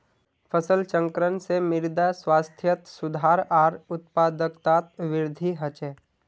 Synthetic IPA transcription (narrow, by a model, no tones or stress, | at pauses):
fʰəsəlt͡ʃə̃ŋkɾənsemɪɾd̪aswaːst̪ʰjət̪sʊd̪ʱaːɾaːɾʊt̪̚paːd̪əkt̪aːt̪ʋɪɾd̪ʱiɦət͡ʃeː